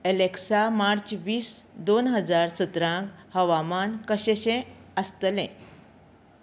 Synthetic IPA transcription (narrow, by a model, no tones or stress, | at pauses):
eleksamaɾt͡ɕʋiːsd̪onɦəd͡zaɾsət̪ɾãŋkhəʋamankəɕeɕẽəst̪əlɛ̰̃